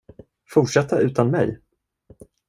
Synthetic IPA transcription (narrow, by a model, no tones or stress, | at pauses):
fʊʈʂɛt̪ʰːaʔʉ̟ːt̪anmɛ̰j